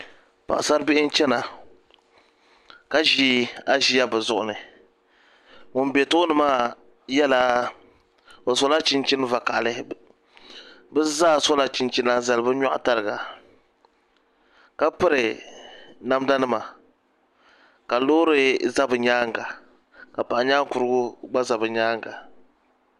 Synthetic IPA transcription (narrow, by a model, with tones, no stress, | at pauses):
pa̰˨sa˦ɾbɪ˦ʔɪ˦n̩˦t͡ʃɛ˦na˨ | ka˦ʒi˦a˦ʒi˦ja˦bɨ˨zʊ˨ʔʊ̰˨nɨ˨ | ŋʊ˨n˦be˨tʊ˦ʊ˦nɨ˦maː˦˨ | jɛ˦la˨ | o˨so˦la˦t͡ʃi˦nt͡ʃi˦n˦va˨ka˨ʔlɨ˦ | bɛ˦zaː˦so˦la˦t͡ʃi˨nt͡ʃi˦na˦za˨lɨ˨bɨ˦ɲa˦ʔta˨lɨ˨ɡa˨ | ka˦pɨ˦ɾɨ˨ | na˦m˦da˦nɨ˦ma˨ | ka˨loː˦ɾɨ˦za˦bɨ˨ɲaː˦ŋ˨ɡa˨ | ka˨pa˨ʔɲaː˦ŋ˦ku˨ɾɨ˦ɡʊ˦ɡ͡ba˦za˨bɨ˨ɲaː˦ŋ˨ɡa˨